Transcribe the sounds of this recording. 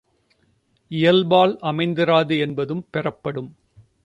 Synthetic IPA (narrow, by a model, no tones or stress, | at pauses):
ɪjɐlbaːlʔɐmɐɪnd̪ɪɾaːðɯɛnbɐðɯmpɛrɐpːɐɽɯm